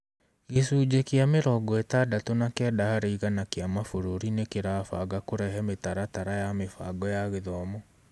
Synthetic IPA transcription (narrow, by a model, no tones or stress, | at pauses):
ɣesuːd͡ʑekeameɾɔɡɔetadatonakɛːdahaɾeiɣanakeamafoɾoɾinekeɾaːfa̰ɡakoɾɛɦɛmetaɾataɾajamefa̰ɡɔjaɣeðɔmɔ